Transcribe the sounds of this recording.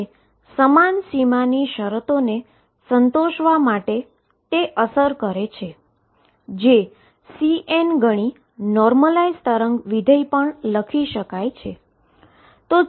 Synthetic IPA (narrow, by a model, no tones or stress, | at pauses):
səmansimaniʃəɾət̪one | sənt̪oʃʋamaʈe | t̪eʔəsəɾkəɾet͡ʃʰe | d͡ʒe | siʔenɡəɽ̃i | nɔɾməlaizt̪əɾəŋɡʋid̪ʱəipəɳləkʰiʃəkajt͡ʃʰe | t̪o